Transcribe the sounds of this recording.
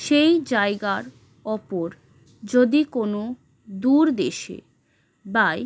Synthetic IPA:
ʃejd͡ʑaeɡaɾ | ɔpoɾ | d͡ʑod̪ikono | d̪uɾd̪eʃḛ | baj

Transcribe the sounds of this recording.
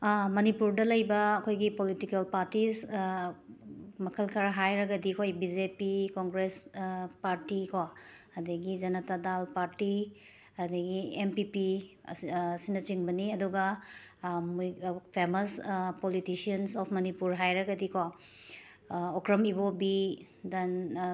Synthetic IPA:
mɐnipuɾdɐlɐjbɐːkʰojɡipolitikelpaɾtis | mɐkʰɐlkʰaɾɦajɾɐɡɐdikʰojbid͡ʒepikoŋɡɾespaɾtikʰo | ɐdɐɡid͡ʒɐnɐtadalpaɾti | ɐdɐɡiempipi | sinɐt͡ʃiŋbɐniɐduɡɐ | pʰemɐspolitisiɐnsɔpʰmɐnipuɾɦajɾɐɡɐdikʰo | okɾɐmibobi | dɐn

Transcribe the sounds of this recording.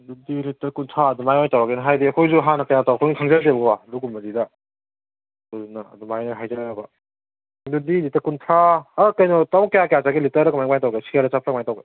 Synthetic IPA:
dudilitɐɾkuntʰaɐdumajɔjtawɾakenɐɦajdiɐkʰɔjzuɦanɐkajatawakʰɔjŋikʰaŋzaɾzebɐɡɔwaluɡumɐzida | duzunɐɐ̰dumajnaɦajzaabɐ | dudilitːɐkuntʰaːkajnɔtawkajakjat͡ʃaɡilitɐɾɐkmajmajtawɡesʰiaɾɐsapʰɾamajtawɡe

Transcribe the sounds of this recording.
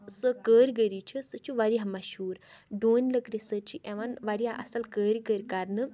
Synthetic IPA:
sɨkəːɾʲɡəɾit͡ʃʰisɨt͡ʃʰiʋaɾiɦamɐʃuːɾɖoːnʲləkɾisət͡ʃʰiʔeʋanʋaɾiaʔɐ̰sɐlkəːɾɡəɾʲkaɾnɨ

